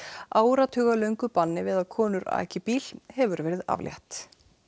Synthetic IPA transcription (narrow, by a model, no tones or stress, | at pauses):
aːwɾat̪ʰʏːɣalœɥŋkʏpanːɪvɪðaðkʰɔːnʏɾa̰ːcɪpiːl̥hɛvʏɾvɛːɾɪða̰vlja̰ht̪